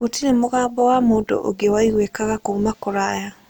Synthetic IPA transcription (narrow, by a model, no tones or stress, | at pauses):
otiɾemoɣaːbɔwamoːdo̰ʔo̰ɡewaiɣwekaɣakoumakoɾaja